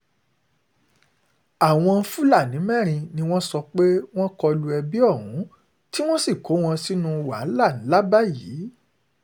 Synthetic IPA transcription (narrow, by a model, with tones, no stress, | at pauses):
a˦˨w̃ɔ̃˧fu˦la˦˨nĩ˨˦mɛ˦˨ɾ̃ĩ˧nĩ˧w̃ɔ̃˦sɔ˧k͡pe˦w̃ɔ̃˦kɔ˧lu˧ɛ˧bi˦ɔ˦˨ɾũ˨˦ | ti˦w̃ɔ̃˦si˦˨ko˨˦w̃ɔ̃˧si˦nũ˧wa̰˨˦˨la˦˨nĩ˨˦la˦ba˦˨ji˨˦